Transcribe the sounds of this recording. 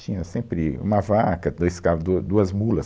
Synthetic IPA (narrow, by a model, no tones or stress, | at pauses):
t͡ʃĩɲɐsẽmpɾɪṵ̃mɐvakɐd̪ojskad̪ud̪uɐzmulɐs